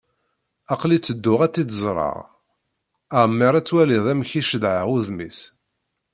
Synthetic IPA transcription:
ɑqlit͡sːəd̪ːʊʁæt͡sːid̪əzˤɾˤɑ̰ʁ | aʕmːiɾˤæt͡sːwæliðˤæmçiʃəðʕaʁuðmḭs

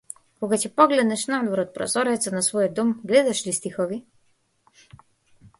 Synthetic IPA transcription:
koɡacɛpɔɡlɛd̪nɛʃnad̪vɔɾɔt̪̚pɾo̰zɔɾɛt̪sənasvɔjɔd̪ɔmɡlɛd̪aʃlist̪ixovi

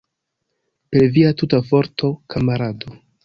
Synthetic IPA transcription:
pe̞ɾviatutavo̞ɾto̞kʰamaɾado̞

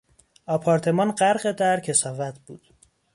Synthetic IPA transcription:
ɒːpʰɒːɾt̪ʰe̞mɒːnɢæɾɢed̪æɾcʰe̞sɒːvæt̪ʰb̥uːd̪̥

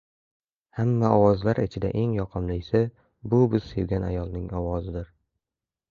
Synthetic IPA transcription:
hamːaɒwɒzlaɾɪt͡ʃʰɪd̪a̰ʔe̞ŋjɒqʰɨmlɪjsɪ | bʊbɪz̥se̞vɡʲanajɒlˠnɪŋɒwɒzɪd̪ɪɾ

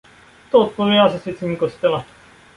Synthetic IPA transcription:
t̪ot̪ːomeβas̬eset͡sɨɲ̟ʲikoɕi̥t̪eβa

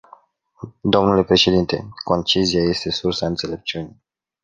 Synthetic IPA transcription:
d̪o̞mnule̞pɾe̞ʃe̞d̪int̪e̞̰ko̞nt͡ʃizijaje̞st̪e̞sursaɨnt̪se̞le̞p̚t͡ʃiunij

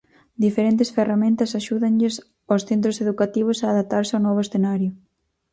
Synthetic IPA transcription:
d̪ifeɾent̪ɪsferamẽnt̪ɐsaʃuðɐɲʎɪs | osθent̪̬ɾʊseðukat̪iβ̞ʊsaːðap̚t̪aɾsɪawnɔβʊesθenaɾjʊ

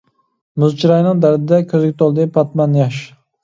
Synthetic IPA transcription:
mʊzt͡ʃʰiɾɑjnɪŋd̪æɾd̪ɪd̪ɛkʲʰøzɪɡʲɪt̪ʰolˠd̪ɪpʰɑt̪mɑnjɑʃ

